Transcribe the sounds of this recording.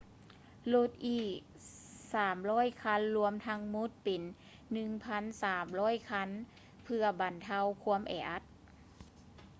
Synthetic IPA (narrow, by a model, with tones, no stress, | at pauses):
lo˧˥˩t̪̚ʔiː˧˩k | saː˨˩mlɔː˥˩˨jkʰa˧˥˨nlu˧əmt̪ʰa˧˥ŋmu˧˥t̪̚pe˨nː | ɯ˧ŋpʰa˧˥˨nsaː˨˩mlɔː˧˥˨jkʰa˧˥n | pʰɯ˧ɐba˨˩nt̪ʰa˧˥˨wkʰu˧˥əmʔɛ̰ː˨˩ʔa˧˥t̪̚